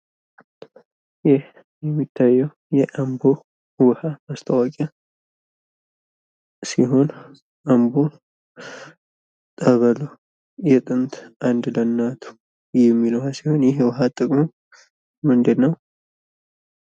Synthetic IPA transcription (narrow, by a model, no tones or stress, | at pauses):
jɪh | jɛmːit̪ʰːajːɛw | jɛʔambo | wɨhamast̪ʰəwakʼa | siɦo̞n | ʔambo | t̪ʼəβəlo | jɛt̪ʼɨnt̪ʰʔand̪lənːat̪ʰu̥ | jɛmːilowhasiho̞njɪhwɨɦat̪ʼːəkʼmo | mɨnd̪ɨːəw